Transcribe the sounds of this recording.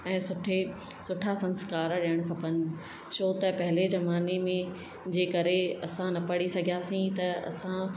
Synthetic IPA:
ɛ̃ːsʊʈʰe | sʊʈʰasɐ̃nskaːɾɗijəɽ̃kʰɐpənɪ̆ | ʃoːt̪ɐpɐɦɪlezɐmaːnemẽ | d͡ʑeːkɐɾeɐsãnɐpɐɽisɐɡʱijaːsĩt̪ɐɐ̰sã

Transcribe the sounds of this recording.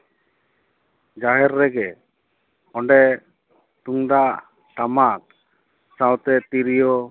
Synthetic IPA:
d͡ʒaɦɛɾːɛɡɛ | ɔɳɖɛ | t̪uŋdaʔ | ʈamak̚ | sawt̪ɛt̪iɾijɔ

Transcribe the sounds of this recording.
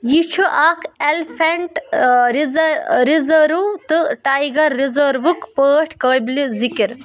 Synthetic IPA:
jit͡ʃʰuʔaːkʰelfʰeɳʈɾizɾɾizɐːɾut̪ɨʈaːjɡɐɾːizɐːɾʋɨkpəːʈʰkəːblizikiɾ

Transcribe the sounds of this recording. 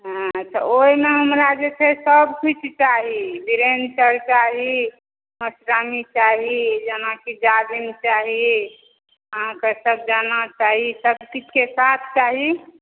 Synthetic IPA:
ɦãt̪ɔoimeɦəmɾad͡ʒet͡ʃʰesəbkʰut͡ʃʰt͡ʃaɦibiɾensəɾkaɦi | məsɾamit͡ʃaɦid͡ʒənakid͡ʒad̪int͡ʃaɦi | ɦãkəsəb̚d͡ʒanat͡ʃaɦisəbkit͡ʃʰkesat̪ʰt͡ʃaɦi

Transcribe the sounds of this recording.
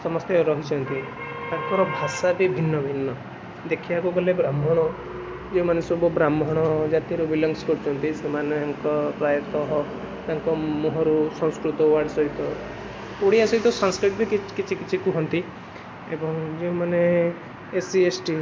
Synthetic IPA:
sɔmɔst̪ʰjɔɾɔɦit͡ʃʰɔnt̪it̪aŋkɔɾɔbʱasabibʱinːɔbʱinːɔ | d̪ekʰibakukɔlebɾamʱɔɽ̃ɔ | d͡ʒeũmanesobɔbɾamʱɔɽ̃ɔd͡ʒat̪iɾubilɔŋɡskɔɾit͡ʃʰɔnt̪isemaneeŋkɔpɾajɔt̪ɔɦɔ | t̪aŋkɔmuɦɔɾusɔ̃ŋskɾut̪ɔwaɽsɔɦit̪ɔ | poɽiasɔɦit̪ɔsɔŋskɾiʈbʱikikit͡ʃʰikit͡ʃʰikuɦɔnt̪i | ebɔŋd͡ʒeũmane | esiesʈi

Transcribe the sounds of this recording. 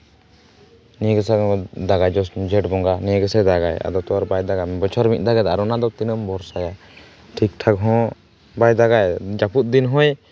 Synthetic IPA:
niɡəsad̪aɡajd͡ʒɔd͡ʒɛʈbɔŋɡaniɡəsɛd̪aɡaja̰d̪ɔt̪ɔwaɾbajd̪aɡambɔt͡ʃʰɔɾmiʔ̚ˀd̪aɡad̪aɾɔnad̪ɔt̪inəmbɔɾsaja | ʈʰik̚ʈʰakɦɔ̃ | bajd̪aɡajd͡ʒaput̪̚ˀd̪inɦɔ̃j

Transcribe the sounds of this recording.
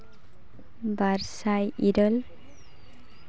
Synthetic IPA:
baɾsajiɾɔl

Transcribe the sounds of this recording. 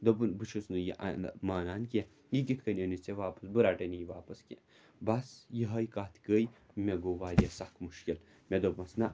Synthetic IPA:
d̪obɨnbɨt͡ʃʰɨsnɨjiʔa̰nmaːnaːnkʲe | jiɡit̪ʰkənʲɐnit͡seʋaːpɐ̥sbɨɾaːʈɐnijiʋaːpɐske | bɐsjiɦɐjkaːt̪ʰkəːj | mʲeɡoʋaːɾʲjesakmuʃkʲil | mʲed̪obmɐsna

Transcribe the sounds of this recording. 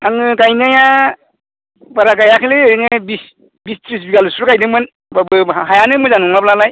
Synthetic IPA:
aŋɯɡajnɯja | baɾaɡajakʰɯlenɯbis | bistʰɾis̬biɡalusɾuɡajdɯmɯn | babɯɦajanɯmɯzanuŋmablalaj

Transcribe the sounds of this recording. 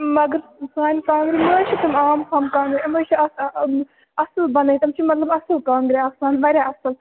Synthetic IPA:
mɐɡɐɾsaːnʲkaːŋɡɾiməːt͡ʃʰit̪ɐmaːmkʰaːmkaːŋɡɾiməːt͡ʃʰiɐs | ɐsɨlbɐnɐjt̪ɐmt͡ʃʰimɐt̪lɐbɐsɨlkãːŋɡɾiaːsaːnbɐɾʲaɐsɨl

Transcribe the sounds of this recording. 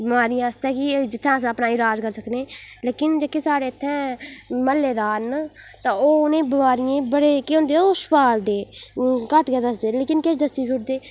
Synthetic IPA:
bəmaːɾijãːəst̪ɛ̃ːkɪd͡ʒɪt̪ʰːãːs̬ãːəpnaːɪlaːd͡ʒkəɾsəkneːleːkɪnd͡ʒekːeːsaːɽeːət̪ʰːɛ̃ːməlːeːd̪aːnt̪ãːoːʊnẽːbəmaːɾɪjẽːbəɽeːkeõːnd̪eːoːspaːld̪eːkəʈkeːd̪əsd̪eːleːkɪnkeʃd̪əst̪iːd͡ʒʰʊʈ̚d̪eː

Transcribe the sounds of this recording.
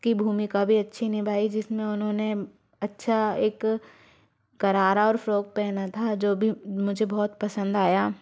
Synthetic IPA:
kibʱuːmikabʱiɐtːʃʰinĩbʱaːid͡ʒɪsmẽʊnɦõːne | ɐtːʃʰaeːk | ɐɾaːɾaɔːɾfɾoːk̚pɛːnat̪ʰad͡ʒoːbʱimʊd͡ʒʱebɔːt̪pɐsə̃nd̪aːjaː

